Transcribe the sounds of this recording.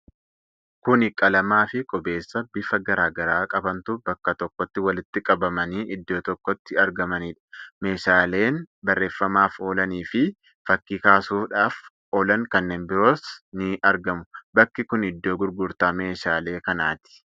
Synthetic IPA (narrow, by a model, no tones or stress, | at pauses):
kʊnɪkʼɐlɐmaːfɪkʼɔbe̞ːsːɐbɪfɐɡɐɾaːɡɐɾaːkʼɐbɐnt̪ʊbɐkːɐt̪ɔkːɔt̪ːɪwɐlɪt̪ːɪkʼɐbɐmɐniːʔɪd̪ːo̞ːt̪ɔkːɔt̪ːɪɐɾɡɐmɐniːᶑɐ̥me̞ːʃaːle̞ːnbɐrːe̞ːfːɐmaːfo̞ːlɐniːfɪ | fɐkːiːkaːsuːfᶑaːf | oːlɐŋkɐnːe̞ːnbɪɾo̞ːsnɪʔɐɾɡɐmʊbɐkːɪkʊnɪd̪ːo̞ːɡʊɾɡʊɾt̪aːme̞ːʃaːle̞ːkɐnaːt̪ɪ̥